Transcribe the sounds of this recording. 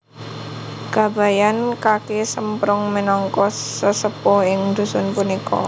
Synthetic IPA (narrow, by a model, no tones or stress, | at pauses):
ɡ̥a̤ba̤jankakesəmpɾʊŋmənɔŋkɔssəsəpɔɪŋd̪̥ṳsʊnpunikɔ̰